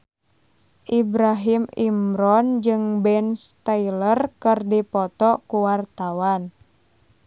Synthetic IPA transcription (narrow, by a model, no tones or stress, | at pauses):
ʔibɾaɦimimɾɔnd͡ʒɨŋbɛnst̪ailərkɨrdipɔt̪ɔkuwart̪awan